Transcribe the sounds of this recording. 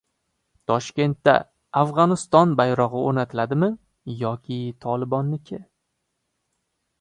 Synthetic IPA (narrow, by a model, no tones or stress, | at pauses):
t̪ʰɒʃkʲe̞nt̪ːa̰ | afʁɒnɪst̪ɒnbajɾɒʁɨonat̪ʰɪlad̪ɪmɪ | jɒkʲʰɪt̪ʰɒlˠɪbɒnːɪkʲʰɪ